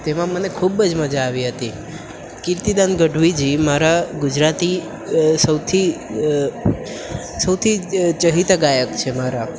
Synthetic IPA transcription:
t̪emãmənekʰubəd͡ʒməd͡ʒaːʋiɦət̪i | kiɾt̪id̪anɡəɖʱʋid͡ʒimaɾaɡud͡ʒɾat̪i | səwt̪ʰi | səwt̪ʰit͡ʃəɦit̪ɡajəkt͡ʃʰemaɾa

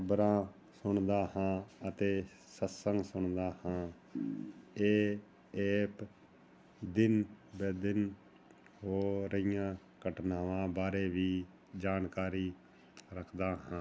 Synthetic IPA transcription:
bɾãː | sʊɳd̪aːhãːət̪eː | səsəŋɡsʊɳd̪aːhãː | eː | eːp | d̪ɪnbeːd̪ɪn | ɦoːɾəɪjãː | kəʈnaːʋãːbaːɾeːʋiː | d͡ʒaːnkaːɾiː | ɾəkʰd̪aːɦãː

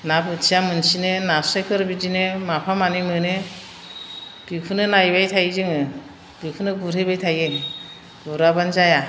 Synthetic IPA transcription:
nabɯtsʰijamɯnsinɯnasejkʰɯɾbidinɯmapʰamanimɯne | b̥ikʰunɯnajbajtʰajzɯŋɯ | b̥ikʰunɯɡuɾʰebajtʰaje | ɡ̥uɾabanzaja

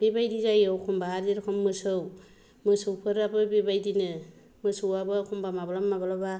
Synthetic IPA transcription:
b̥ebajdizajawkʰɔmbaːɾdeɾkʰɔmːɯsɯw | mɯsɯwpʰɯɾabɯbebajdinɯ | mɯsɯwabɯkʰɔmbamabalamːabalaba

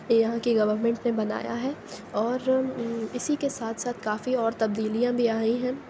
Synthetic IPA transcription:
jɐɦãkiɡɐʋəɾmɛ̃ɳʈnebɐna̰ːja̰ɦɛːɔːɾɪsikesaːt̪ʰsaːt̪ʰkaːfiɔːɾt̪ɐb̚d̪iːlijãbʱiaːĩɦɛ̃ː

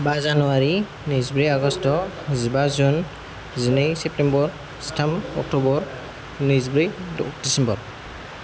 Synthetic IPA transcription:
bazanuwaɹi | nizbuɹiaɡɔstɔ | zibazun | zinejsɛp̚tɛmbɔɹ | si̥tʰamɔ̰k̚tubɔɹ | nizbɹid̥isɛmbɔɹ

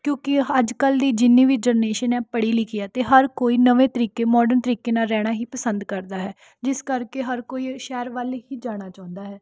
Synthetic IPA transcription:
kjõːkɪəd͡ʒkəld̪iːd͡ʒɪnːiːʋiːd͡ʒəɾneːʃənɛːpəɽiːlikɪjaːt̪eːɦəɾkoːiːnəʋẽːt̪əɾiːkeːmɔːɖəɾnt̪əɾiːkeːnaːɾɛːɽ̃aːɦiːpəsənd̪kəɾd̪aːɦɛː | d͡ʒɪskəɾkeːɦəɾkoːiːʃɛːɾʋəlɦiːd͡ʒaːɽ̃aːt͡ʃãːʊ̃nd̪aːɦɛː

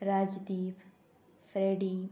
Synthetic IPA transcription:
ɾaːd͡ʒd̪iːp | fɾeːɖiː

